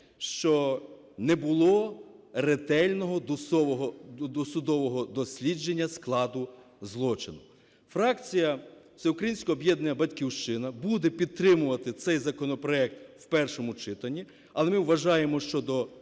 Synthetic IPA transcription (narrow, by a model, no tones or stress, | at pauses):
ʃt͡ʃɔ | nɛbʊlˠɔret̪ɛlʲnɔɦɔd̪ɔʋɔɦɔd̪ɔsʊd̪ɔʋɔɦɔd̪ɔsʲlʲid͡ʒenʲːɐsklˠɑd̪ʊ | zlˠɔt͡ʃɪnʊ | fɾɑkt͡sʲijɐ | sʲɛʊkɾɐjinʲsʲkɔːbjɛd̪nenɐbɐdʲkʲiwʃt͡ʃɪnɐbud̪ɛpʲid̪̚t̪ɾɪmʊʋɐt̪ɪt̪sɛjzɐkɔnɔpɾɔɛk̚t̪wpɛrʃɔmʊt͡ʃɪt̪ɐnʲːi | ɐlˠɛmɪwʋɐʒɑjemɔʃt͡ʃɔd̪ɔ